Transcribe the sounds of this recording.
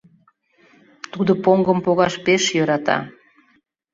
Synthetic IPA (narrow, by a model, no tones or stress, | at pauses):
t̪ud̪opoŋɡəmpoɣɑʃpeʃjøɾɑt̪ɑ̰